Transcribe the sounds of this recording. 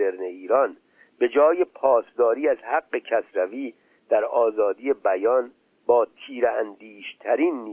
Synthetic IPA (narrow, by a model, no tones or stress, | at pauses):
eɾneiːɾɒːn | be̞d͡ʒɒːjepʰɒːsd̪ɒːɾiːæzhæɡːe̞cʰæsɾæviː | d̪̥æɾɒːzɒːd̪iːje̞bæjɒːn | bɒːt̪ʰiːɾeænd̪iːʃt̪ʰæɾiːnːi